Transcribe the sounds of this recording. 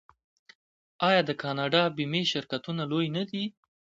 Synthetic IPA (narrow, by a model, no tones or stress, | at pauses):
ɑjɑd̪əkʰɑnɑɖɑbimeʃɪɾkat̪unalojnad̪i